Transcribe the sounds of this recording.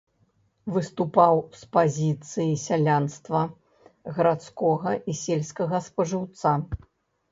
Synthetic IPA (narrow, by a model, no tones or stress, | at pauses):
vɨst̪upawspazʲit̪sɨjisʲalʲanst̪vɐ | ɣɐɾat̪skɔɣɐʔisʲelʲsʲkɐɣɐspɐʐɨwt̪sa